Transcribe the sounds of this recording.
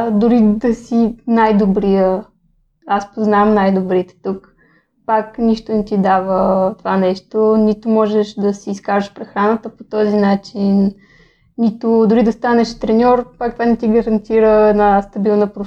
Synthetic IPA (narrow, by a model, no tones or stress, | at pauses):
d̪ʊɾid̪ɐsinajd̪obɾijə | aspoznamnajd̪obɾit̪ɛ̥t̪uk | pakniʃt̪onɛt̪id̪avət̪ovanɛʃt̪onit̪omɔʒɛʃd̪ɐsiːskaʒəʃpɾɛxɾanət̪əpot̪ɔzinat͡ʃinː | it̪od̪ʊɾid̪ɐst̪anɛʃt̪ɾɛnʲɔɾpak̚t̪ovanɛt̪iɡɐɾɐnt̪iɾəɛd̪nast̪ɐbilˠnəpɾo